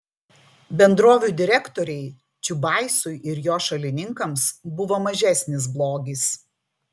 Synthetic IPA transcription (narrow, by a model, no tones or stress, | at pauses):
bʲɛnd̪ɾoːʋʲuˑd̪ʲɪɾʲɛkt̪ɔɾʲɛɪ | t͡ʃʲʊbɑˑɪsʊɪʔɪɾjoːʃɐlʲɪnʲɪŋkɐmsbʊʋoːmɐʒʲæˑsʲnʲɪs̬blˠoːɡʲis